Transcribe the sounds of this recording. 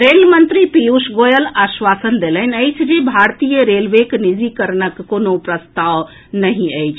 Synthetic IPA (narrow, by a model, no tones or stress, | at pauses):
ɾelmənt̪ɾipiusɡojəlasʋasənd̪elənəjt͡ʃʰd͡ʒebʱaɾt̪ijəɾelʋeknid͡ʒikəɾnəkːonopɾəst̪aw | nəɦĩəjt͡ʃʰ